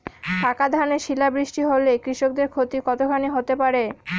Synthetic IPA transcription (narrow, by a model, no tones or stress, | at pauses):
ɖʰakad̪ʱaneʃilabɾiʃʈiɦolekɾiʃok̚d̪eɾkʰot̪ikɔt̪okʰaniɦot̪epaɾe